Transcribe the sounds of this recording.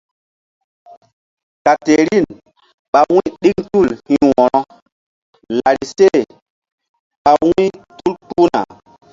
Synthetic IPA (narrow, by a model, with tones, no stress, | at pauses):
ka˨te˨ɾi˦˨n | ɓa˨wwĩ˦ɗi˦ŋtu˦˨lhĩ˦wɔ˨ɾɔ˦ | la˨ɾi˨se˦˨ | ɓa˨wwĩ˦tu˦lpu˦na̰˨